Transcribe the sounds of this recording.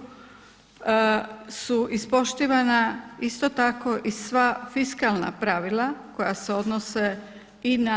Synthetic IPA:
suʔispo̞ʃt̪iːʋanaist̪ot̪ako̞ʔisʋafiskalˠna̰pɾaʋilako̞jase̞o̞d̪nose | ina

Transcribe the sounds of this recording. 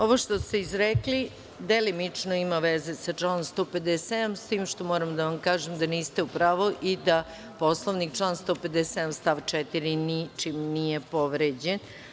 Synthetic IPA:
oʋoʃt̪o̞st̪eizɾekli | d̪elimit͡ʂnoimaʋezesat͡ʂlanomst̪oːped̪esed̪amst̪iːmʃt̪o̞moːɾamd̪aʋamkaːʒemd̪aniːst̪e̞upɾaːʋoʔid̪a | poslˠoʋnik̚t͡ʂlˠanst̪oːped̪esed̪amst̪aːʋt͡ʃɛt̪iɾinit͡ʃimnijepoʋɾed͡ʑen

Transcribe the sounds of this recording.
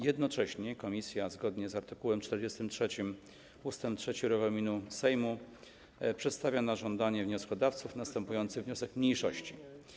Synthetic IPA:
jɛd̪nɔt͡ʂɛɕɲɛkɔmʲisʲjazɡɔd̪ɲɛzaɾt̪ɘkuwɛmt͡ʂt̪ɛɾd͡ʑɛst̪ɘmtʂɛt͡ɕim | ust̪ɛmptʂɛt͡ɕiɾɛvɔlmʲinusɛjmu | pʂɛt̪st̪avʲjanaʐɔnd̪aɲɛvɲɔskɔd̪aft̪sufnast̪ɛmpujɔnt̪sɘɣvɲɔsɛkmɲejʂɔɕt͡ɕi

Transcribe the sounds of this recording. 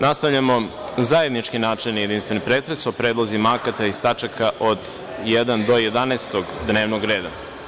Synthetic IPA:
nast̪aʋʎamo̞zaje̞d̪nit͡ʃkinaːt͡ʃenjed̪inst̪ʋe̞nipɾeːt̪ɾesopɾe̞ːd̪lˠozimakat̪aist̪at͡ʃakʰaʔod̪ | jed̪and̪o̞jed̪anest̪o̞ɡd̪ne̞ːʋnoɡɾe̞ːd̪a̰

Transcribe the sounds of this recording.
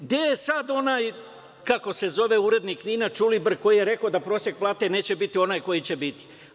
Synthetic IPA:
d̪ejesad̪o̞naːj | kako̞se̞zo̞ʋe̞uɾe̞d̪nikniːnat͡ʃulibr̩ko̞jijeɾe̞kod̪apɾo̞ːsje̞k̚plˠaːt̪e̞neːt͡ɕe̞bit̪io̞naːjko̞jit͡ɕe̞bit̪i̥

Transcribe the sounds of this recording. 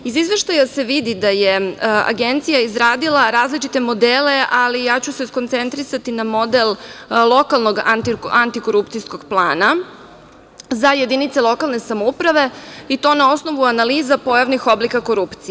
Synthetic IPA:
izizʋeʃt̪ajase̞ʋid̪id̪ajea̰ɡe̞nt̪sijaizɾaːd̪ilˠaɾaːzlit͡ʃit̪e̞mo̞d̪eːle̞ʔalijaːt͡ɕuseskont̪se̞nt̪ɾisat̪inamo̞d̪ellˠo̞kalˠno̞ɡant̪iant̪iko̞ɾupt̪sijsko̞ɡplˠaːna | zajed̪init̪selˠo̞kalˠne̞samoupɾaʋe̞it̪o̞nao̞sno̞ʋuanaliːzapo̞jaʋnixo̞blikako̞ɾupt̪si

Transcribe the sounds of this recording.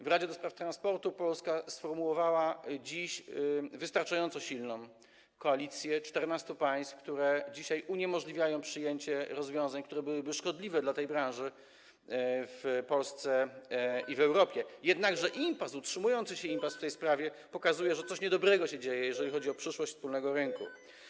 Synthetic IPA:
vɾad͡ʑɛd̪ɔspɾaft̪ɾanspɔɾt̪upɔlskasfɔɾmuwɔvawad͡ʑiɕvɨst̪aɾt͡ʂajɔnt̪sɔɕilnɔ̃w̃ | kɔalʲit̪sʲjɛt͡ʂt̪ɛɾnast̪upaj̃st̪fkt̪uɾɛd͡ʑiɕajʔuɲɛmɔʐlʲivʲjajɔ̃w̃pʂɘjeɲt͡ɕɛɾɔzvʲjɔ̃w̃zaɲkt̪uɾɛbɘwɘbɘʂkɔd̪lʲivɛd̪lat̪ɛjbɾãnʐɘ | fpɔlst̪sɛ | ivɛwɾɔpʲjɛjɛd̪naɡʐɛʔimpasutʂɘmujɔnt̪sɘɕɛimpasft̪ɛjspɾavʲjɛpɔkazujɛʐɛt̪sɔɕɲɛd̪ɔbɾɛɡɔɕɛd͡ʑejɛjɛʐɛlʲixɔd͡ʑiɔpʂɘʂwɔɕt͡ɕʲfspulnɛɡɔɾɘŋkṵ

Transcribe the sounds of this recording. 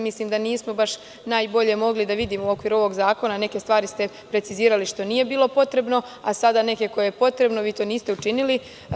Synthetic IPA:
misliːmd̪aniːsmo̞baʃ | naːjbo̞ʎe̞mo̞ɡlid̪aʋid̪iːmouo̞kʋiːɾuo̞ʋo̞ɡzaːko̞nane̞ke̞st̪ʋaːɾist̪e̞ | pɾe̞t̪siziːɾaliʃt̪o̞niːje̞biːlˠo̞po̞t̪ɾe̞bno̞ | asad̪ane̞ke̞ko̞jejepo̞t̪ɾe̞bno̞ʋiːt̪o̞ːniːst̪e̞ut͡ʃinili

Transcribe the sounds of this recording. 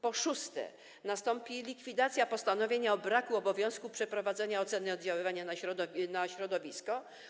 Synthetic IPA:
pɔʂust̪ɛ̰ | nast̪ɔmpʲilʲikfʲid̪at̪sʲjapɔst̪anɔvʲjeɲaɔbɾakuɔbɔvʲjɔ̃w̃skupʂɛpɾɔvad̪zɛɲaɔt̪sɛnɘɔd̪̚d͡ʑawɘvaɲanaɕɾɔd̪ɔnaɕɾɔd̪ɔvʲiskɔ

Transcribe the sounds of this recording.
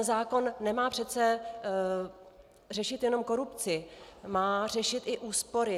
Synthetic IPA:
zaːko̞nːɛmaːpr̝̥ɛt̪t͡sɛ | rɛʃɪt̪jɛno̞mko̞ɾupt͡sɪmaːr̝ɛʃɪt̪ɪʔuːspo̞ɾɪ

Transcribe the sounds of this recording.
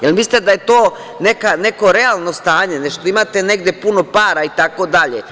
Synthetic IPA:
jelmist̪ed̪ajet̪oː | ne̞kane̞ko̞ɾe̞alˠno̞st̪aːɲeneʃt̪oimaːt̪ene̞ɡd̪jepuno̞paːɾait̪ako̞d̪aʎḛ

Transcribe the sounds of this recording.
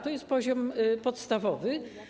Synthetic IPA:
t̪ɔjɛst̪̚pɔʑɔmpɔt̪st̪avɔvɘ

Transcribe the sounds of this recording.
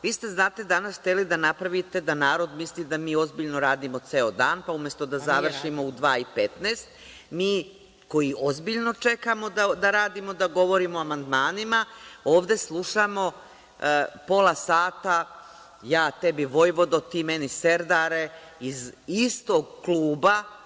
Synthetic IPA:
ʋiːst̪e̞znaːt̪e̞d̪anasxt̪elid̪anapɾaʋit̪e̞d̪anaːɾo̞d̪mislid̪amiːo̞zbiʎnoɾaːd̪imot̪seːod̪aːnpaumje̞st̪o̞d̪azzaʋr̩ʃimo̞ud̪ʋaːipet̪neːst̪ | miː | ko̞jiʔozbiʎno̞t͡ʂe̞kamo̞d̪ad̪aɾaːd̪imo̞d̪aɡo̞ʋo̞ɾimoamand̪maːnimaoːʋd̪e̞slˠuʃamo̞ | po̞lˠasaːt̪a | jaːt̪ebiʋo̞jʋo̞d̪ot̪iːmeniseɾd̪aɾe̞ | izist̪oɡklˠuːba

